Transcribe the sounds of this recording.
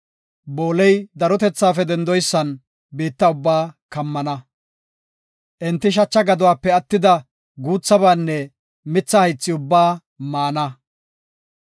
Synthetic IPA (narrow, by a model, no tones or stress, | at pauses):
bo̞ːlɛjd̪ɐɾɔt̪ɛt͡sːaːfɛd̪ɛnd̪ɔjsːɐn | biːt̪ːɐʊbːaːkɐmːɐnɐ | ʔɛnt̪ːɪʃ̬ɐt͡ʃːɐɡɐd̪ʊwaːpːɛɐt̪ːɪd̪ɐ | ɡuːt͡sːɐbaːnːɛ | mɪt͡sːɐhɐjt͡sːɪʊbːaː | maːnɐ